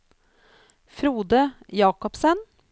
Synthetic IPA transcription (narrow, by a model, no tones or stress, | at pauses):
fɾuːd̪əjɑːkɔpsən